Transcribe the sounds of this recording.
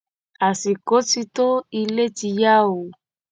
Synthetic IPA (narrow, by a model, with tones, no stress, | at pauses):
a˨si˨ko˨˦ti˧to˦i˧le˦ti˧ja˦o˨